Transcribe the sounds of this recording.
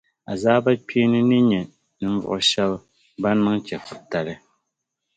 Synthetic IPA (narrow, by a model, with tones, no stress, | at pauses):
a˨zaː˦ba˦pi˦nɨ˦nɨ˦ɲɛ˨ | nɨ˨m˦vʊ̰˨ʔʊ˨ʃɛ˦l | ba˦n˦mɨ˦ŋt͡ʃɛ˨fɨ˨ta˨lɨ˦